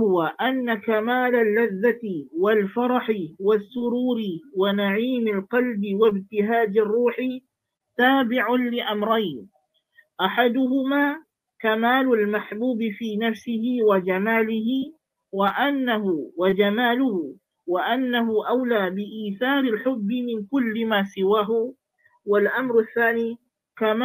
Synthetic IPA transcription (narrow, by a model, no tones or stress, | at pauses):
hʊwaʔanːakamaːlalːaðːat̪ɪwalfɑɾˤɑħɪwasːʊɾuːɾɪwanaʕiːmalqɑlbɪwabt̪ɪɦaːd̪ɪrˤːuːħɪ | t̪aːbɪʕʊnlɪʔamɾˤajn | ʔaħad̪ʊhʊmaː | kamaːlʊlmaħbuːbɪfiːnafsɪhɪwad͡ʒamaːlɪɦɪ | waʔanːaɦʊwad͡ʒamaːlʊhʊ | waʔanːaɦʊʔawlaːbɪʔiːθɑːɾɪlħʊbːɪmɪnkʊlːɪmaːsɪwaːɦʊ | walʔamɾaθːaːniː | kam